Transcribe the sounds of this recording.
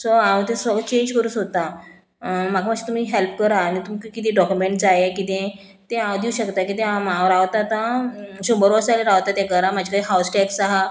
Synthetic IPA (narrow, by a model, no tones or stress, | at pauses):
soãwt̪ẽsət͡ɕẽɲd͡ʑkəɾuːsɦot̪a | makʰamakɕi̥t̪um̤iːɦelp̚kəɾaːñit̪umikkit̪ĩɖɔkjumẽɳʈt͡sajekit̪ẽ | t̪ẽãd̪iuɕəkt̪akit̪ẽamãɾaʋt̪at̪ãsumbəɾʋəsaleɾaʋt̪at̪jakəɾãmad͡ʑʱikaiɦawsʈɛksaɦa